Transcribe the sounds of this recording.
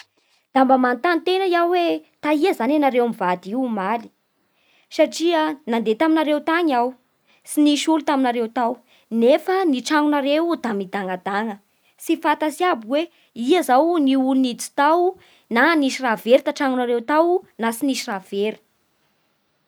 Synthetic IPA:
d̪̥ambəmant̪anit̪enəiawwet̪aiəzananaɾewamivad̪iumali̥ | saʈ͡ʂiənand̪et̪aminaɾewt̪aɲaw | siniʃulut̪aminaɾewt̪aw | nefəniʈ͡ʂaŋunaɾewd̪̥amid̪aŋad̪aŋə | sifat̪asjabuwe | iəzawniulunit͡si̥t̪aw | naniʃiraveɾit̪aʈ͡ʂaŋunaɾewt̪awnasiniʃirav̥eɾi̥

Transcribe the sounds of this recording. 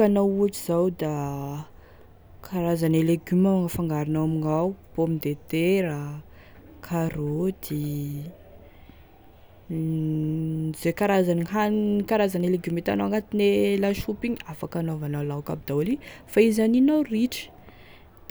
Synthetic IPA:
anawuaʈ͡ʂiz̥awd̪a | kʰaɾazaneleɡymawaŋəfaŋɡaɾinawamiŋawb̥omind̪et̪eɾa | kʰaɾod̪i | zekaɾazaniɦankaɾazaneleɡymet̪a̰naaŋɡat̪inelaʃupiɲafakanovanalawkab̚d̪awlifaizaninawriʈ͡ʂə̥

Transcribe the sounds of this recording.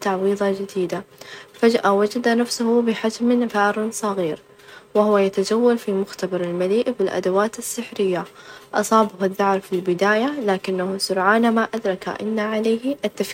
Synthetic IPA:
t̪aʕwiːðˤɑd͡ʒɪd̪iːd̪afad͡ʒʔawad͡ʒad̪anafsʊhʊbɪħad͡ʒmbaːɾˤnsˤɑɣiːɾ | wɪhʊwajat̪ad͡ʒawːalfimʊxt̪abɑɾˤɪlmaliːʔbɪlʔa̰d̪awaːt̪asːɪħɾɪjːaʔɑsˤɑːbʊhaðːɑʕɾˤfilbɪd̪aːjalaːkɪnːahusʊɾʕaːnamaʔad̪ɾˤɑka̰ʔɪnːaʕalaːhʔat̪ːaf

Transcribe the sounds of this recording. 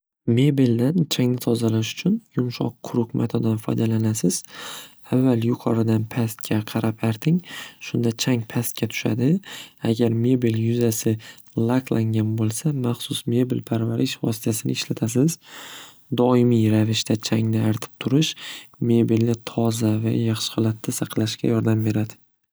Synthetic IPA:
me̞bild̪ant͡ʃʰaŋnɪt̪ʰɒzalaʃʊ̥t͡ʃʰʊnjʊmʃɒqʰːʊɾʊqmʔa̰t̪ʰod̪anfɒ̰jd̪alanasɪz̥ | avːaljʊqʰɒɾɪd̪anpʰast̪̚kʰʲaqʰɑɾʔapaɾt̪ʰɪŋʃʊnd̪at͡ʃʰaŋpʰast̪̚kʲat̪ʰʊ̥ʃa̰d̪ɪaɡʲaɾme̞bɪljʊzasɪ | lˠaklˠʔaŋɡʲanbolˠsamaχsʊsme̞bɪlpʰaɾvaɾɪʃvɒ̰sɪ̥t̪ʰasɪnɪɪʃlat̪ʰasɪz | d̪ɒɪmijɾavɪʃt̪ʰat͡ʃʰaŋnɪaɾt̪ʰɪ̥p̚t̪ʰʊɾɪʃme̞bilnɪt̪ʰɒzava̰jɑχʃɪ̥hɒlˠat̪ʰːasɑqlaʃkʲa̰jɒɾd̪ambe̞ɾad̪ɪ

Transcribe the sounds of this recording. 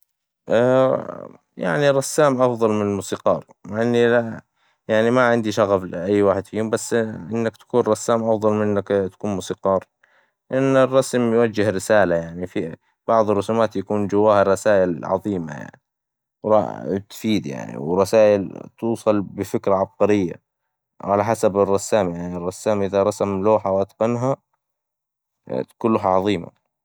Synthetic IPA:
ʔa | ja̰ʕniɾˤɑsːaːmʔɑfðˤɑlmɪnɪlmuːsiːqɑːɾˤmaʕʔɪnːila | jaʕnimaʕɪnd̪iʃaɣaflʔajːwaːħɪd̪fijːuːmbasːʔɪnːakt̪ḁkuːnɾˤɑsːaːmʔɑfðˤɑlmɪnnːakt̪ḁkuːnmuːsiːqɑːɾˤ | lʔɪnːɪrˤːɑsmjwad͡ʒːɪhɾɪsaːlajaʕnifi | b̥ɑʕðˤɨrˤːʊsumaːt̪jakuːnd͡ʒawːaːhɪrˤːɑsaːʔɪlʕɑ̰ðˤiːma̰ja̰ʕni | wɾˤɑ̰t̪fiːd̪ja̰ʕnḭwɪrˤɑsaːʔɪlt̪uːsˤɑlbɪfɪkɾaʕɑb̚qɑɾɪjːa̰ | ʕalaħasabɪrˤːɑsːaːmjaʕnirˤːɑsːaːmʔɪðaɾˤɑsamloːħawʔat̪qanɦa | t̪ḁkuːnloɦaʕɑðˤiːma̰

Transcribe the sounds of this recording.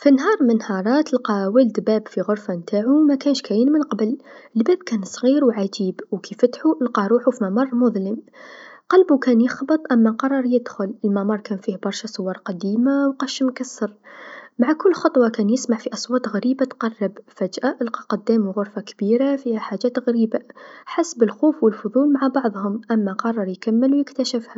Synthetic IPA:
finɦɑːɾˤmənhɑɾˤɑːt̪əlqɑwæld̪bæːbfiɣʊɾfant̪aːʕumækænʃkæjənmənqɑbəlʔəlbæːbkænsˤɣiːɾwʕad͡ʒiːbwkifæt̪ħuʔəlqɑɾˤuːħufimæmɑrˤːmʊðˤləmqɑlbukænjəxbət̪ˤʔamːæqɑrˤːɑɾˤjəd̪xʊləlmæmɑɾˤkænfiːhbɑɾˤʃɑsˤʊwːɑɾˤqɑd̪iːmawqɑʃəmkasːɑɾˤmaʕakʊlːxɑt̪ˤwɑkæːnjɪsmaʕfiʔɑsˤwɑːt̪ɣaɾiːbat̪qɑrˤːɑbfæd͡ʒʔaʔəlqɑqʊd̪ːæːmwɣʊɾfakbiːɾafihaħaʒæːt̪ɣaɾiːbaħasbəlxuːfwəlfʊðˤuːlmaʕabɑʕðˤhʊmʔamːaqɑrˤːɑɾjkamːəlwjɪkt̪aʃɪfha

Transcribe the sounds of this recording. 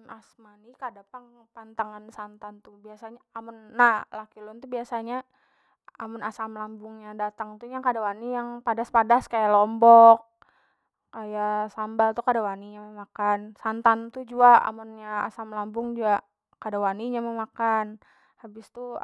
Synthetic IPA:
nasmanikadapaŋpant̪aŋansant̪ant̪ubiasaɲaamʊnːahlakilʊnt̪ubiasaɲa | amʊnasamlambʊŋɲadat̪aŋt̪uɲakadawanijaŋpadaspadaskajalɔmbɔkː | ajasambalt̪ukadawaniɲamamakansant̪ant̪ud͡ʒuaʔa̰mʊnɲaa̰samlambʊŋd͡ʒuaʔ | kadawaniɲamamakan | habɪst̪u

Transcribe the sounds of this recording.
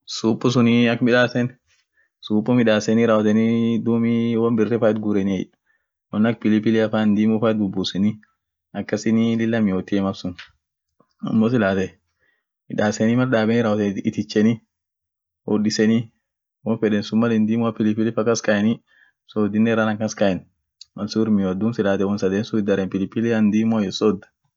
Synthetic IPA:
suːpʼːɔs̬ʊniɐkːmɪᶑaːsɛn | suːpʼːɔmɪᶑaːsɛniɾaːwɔt̪ɛnid̪uːmiwɐnbɪrːɛfaːɛt̪̚ɡʊɾɛnɪɛj | wɐnːɐk̚pɪlɪpɪlɪɐfaːnd̪iːmʊfaːɛt̪̚bʊbːusɛni | ɐkːɐsɪnilɪlːɐmɪhoːt̪ːɪɛmɐfsʊn | ɐ̰mːosɪlaːt̪ɛ | ɪᶑaːsɛnimɐlɗaːbɛnɪɾawɔt̪ɪt̪ɪt͡ʃːɛni | wɔɗɪsɛni | wɔnfɛᶑɛnsʊmːɐlɛnd̪iːmʊafɪlɪpɪlɪfɐkːɐskɐjɛni | soːd̪ɪnːɛɾanɐŋkɐskɐɛn | mɐsuɾmɪod̪unsɪlaːt̪ɛwɔnsɐd̪ensʊɪd̪ɐɾɛnpɪlɪpɪlɛand̪iːmojɛsɔd̪ɐ̥

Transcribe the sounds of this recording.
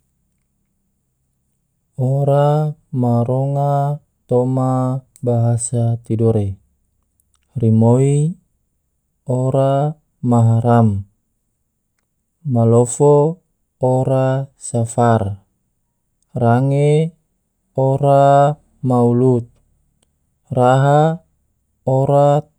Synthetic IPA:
oɾamaɾoŋa | t̪oma | baɦasat̪idɔɾe | rimoi | oɾa | maɦaɾam | malofoː | ɾasafar | raŋe | oɾa | maulut̪̚ | raɦa | oɾa

